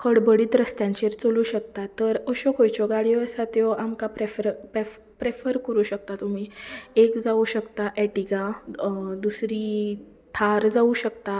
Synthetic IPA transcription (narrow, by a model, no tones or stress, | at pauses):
kʰəɽbəɽiːt̪ɾəst̪jãɲt͡ɕeɾt͡soluːɕəkt̪at̪ːəɾəɕɔkojt͡ɕɔɡaɽiɔəsat̪jɔʔamkapɾefəɾpef | pɾefəɾkəɾuːɕək̚t̪at̪um̤iːekd͡zauɕəkt̪aʔɛʈiɡa | d̪usɾi | t̪ʰaɾd͡zauɕəkt̪a